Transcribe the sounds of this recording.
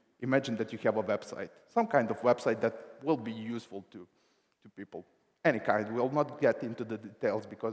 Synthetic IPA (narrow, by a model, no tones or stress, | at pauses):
ʔɨmæd͡ʒɨ̃nðætjɨhævəwɛb̥sa̰ɪtsʌ̃mkãɪ̃ndɔvwɛb̥saɪt̪̚ðæt̚wɪlˠbijusfəlˠt̪ʰu | tupipl̩ˠ | ɛñikãɪ̃nd̚wilˠnət̚ɡ̥ɛɾɪ̃ntuðəditeɪlˠzbɨkɔ